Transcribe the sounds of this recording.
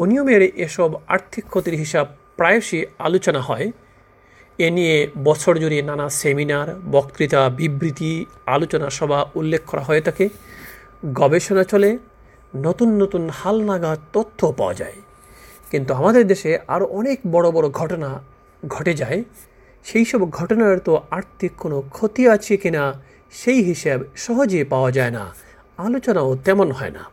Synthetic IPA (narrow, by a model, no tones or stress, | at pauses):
oniomeɾʔeʃɔba̰ɾt̪ʰikʰːot̪iɾɦiʃab | pɾajoʃia̰lot͡ɕonaɦɔe | enijebɔt͡ɕʰoɾd͡ʑoɾinanaseminaɾbɔkt̪ɾit̪abibɾit̪i | a̰lot͡ɕonaʃɔbʱaulːekʰːkʰːɔɾaɦɔet̪ʰake | ɡɔbeʃonat͡ɕole | not̪unːot̪unhalnaɡat̪ot̪ʰːopa̰oa̰d͡ʑa̰e | kint̪uamad̪eɾd̪eʃeʔa̰ɾoʔɔnekbɔɽobɔɽoɡʱɔʈona | ɡʱɔʈed͡ʑae | ʃejʃɔboɡʱɔʈonaɾt̪oaɾt̪ʰikːonokʰot̪iat͡ɕʰekina | ʃejɦiʃebʃɔɦod͡ʑepaoad͡ʑaena̰ | alot͡ɕonaot̪ɛmonɦɔena̰